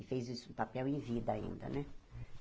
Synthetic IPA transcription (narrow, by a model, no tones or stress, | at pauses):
ɪfejzisʊ̃papɛwẽvid̪ɐaḭ̃nd̪ɐ̰nɛ